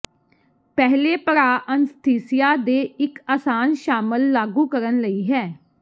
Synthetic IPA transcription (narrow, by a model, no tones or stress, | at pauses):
pɛɦleːpəɾaːʔənst̪ʰiːsɪjaːd̪eːɪkaːsaːnʃaːməlːaːɡuːkəɾənləiːɦɛː